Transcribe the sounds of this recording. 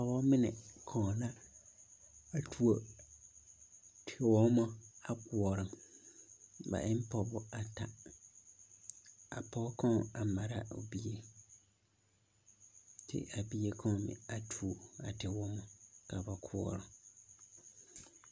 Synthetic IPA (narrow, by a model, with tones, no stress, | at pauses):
a˨wɔ̃˦mɪ̃˦nɪ̃˨kʰɔ̃˨nã˦ | a˨tʰu˨o˨ | tʰɪ˨wɔ̃˦mɔ̃˦a˨kʰʊ˨ɔ˨ɾɪ̃˨ | ba̰˨ʔɪ˦m̩˦pʰɔ˦˨bʊ˦a˨tʰa˨ | a̰˨pʰɔ˦kʰɔ̃˦˨a˨mã˨ɾa˦o̰˨bi˦e˦ | tʰɪ̰˨ʔa˨bi˦e˨kʰɔ̃˦˨mɪ̰̃˨a˨tʰu˨o˨a̰˨tʰɪ˨wɔ̃˦mɔ̃˨kʰa˨ba˨kʰʊ˨ɔ̰˨ɾɪ̃˨